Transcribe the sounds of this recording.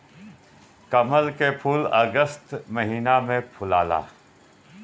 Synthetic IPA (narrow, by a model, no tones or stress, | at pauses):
kɐməlkepʰuːlɐɡəst̪mɐɦiːnamẽpʰʊlaːla̰ː